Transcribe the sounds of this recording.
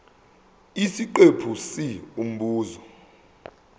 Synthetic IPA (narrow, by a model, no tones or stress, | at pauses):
isiǃepʰusium̩ɓuːzɔ